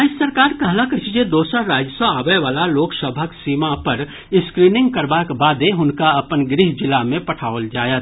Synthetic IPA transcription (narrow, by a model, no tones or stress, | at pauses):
aːd͡ʒsəɾkaːɾkɐɦlakət͡ʃid͡ʒed̪oːsaɾaːd͡ʒəsə̃aːʋəjʋaːlaloːksəbʱaksiːmapɐɾ | ɪskɾiːnɪ̃ŋɡ̚kɐɾbakbaːd̪eɦʊnkaɐpənɡɾɪɦd͡ʒɪlamẽpɐʈʰaːʋoəld͡ʒaːjət̪